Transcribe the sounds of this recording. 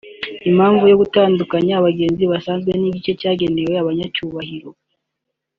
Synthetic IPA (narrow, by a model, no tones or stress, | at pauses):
im̥haːɱvujo̞ɡutaːndukaɲaːβaɡe̞ːnziβasaːnzɡwe̞niːɟit͡ʃe̞caːɡe̞ne̞we̞aβaɲacuːβahiɾo̞